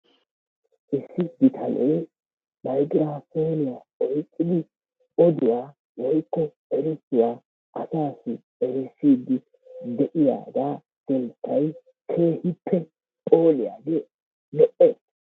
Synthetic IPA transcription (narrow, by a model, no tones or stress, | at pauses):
ʔɪsːɪbɪt̪ʰɐnɛj | mɐjɡɪɾaːfo̞ːnɪjaːɔjt͡sʼːɪd̪ɪ | ɔd̪ʊwaː | wɔjkːɔ | ɛɾɛsʊwaː | ʔɐsaːsɪ | ɛɾɛsiːd̪ɪ | d̪ɛʔɪja̰ːɡaː | sɪnt̪ʰːɐj | kʰe̞ːhɪpʰːɛ | pʼo̞ːlɪjaːɡɛ | lɔʔes